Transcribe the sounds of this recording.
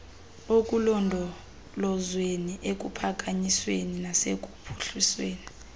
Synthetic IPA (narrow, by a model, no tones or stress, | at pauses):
okʼulɔndʱɔ | lɔzweniʔek̬ʼupʰak̬ʼaɲisweninasek̬ʼu̥pʰu̥ɬisweːni